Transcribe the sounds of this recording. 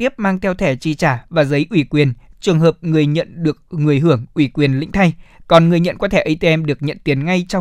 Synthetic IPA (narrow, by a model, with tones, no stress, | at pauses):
t̪i˦˥əp̚maː˧ŋt̪ʰɛ˧wt̪ʰɛ˧˩t͡ɕi˧˩t͡ɕaː˧˩vaː˨˩zə˨˦jʔwi˧˩kwi˨˩ənt͡ɕɨ˨˩əŋɦəː˨˩p̚ŋɨ˨˩əjɲə̰˧˨nɗɨ˨˩ək̚ŋɨ˨˩əjɦɨ˧˩əŋʔwi˧˩kwi˨˩ənlḭ̈˧˥ŋ̟t̪ʰa˧jkɔ˨˩nŋɨ˨˩əjɲə̰˧˨nkɔ˨˦t̪ʰɛ˧˩ʔə˧t̪e˧ʔɛ˧mɗɨ˨˩ək̚ɲə̰˧˨nt̪i˨˦nŋa˧jt͡ɕɔ˧